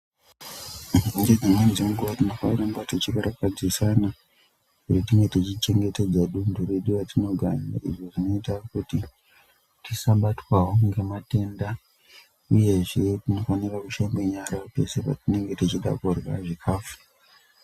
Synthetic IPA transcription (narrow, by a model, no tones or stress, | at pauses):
nded͡zimwenʐimuɡuʋatino̞fanirambatot͡ʃikaɾakad͡zisana | kutitiŋɡe̞tit͡ʃit͡ʃe̞ŋɡe̞te̞d͡zaɗunduɾeɗiʋatino̞ɡʱa̰ɲa̰ḭʐo̞ʐino̞itakuti | tisaɓatwawoŋɡe̞mate̞nda | uje̞ʐetino̞fanirakuʃambeɲaɾaope̞sepa̰tine̞ŋɡe̞tit͡ʃiɗa̰korwa̰ʐikʰaːfu̥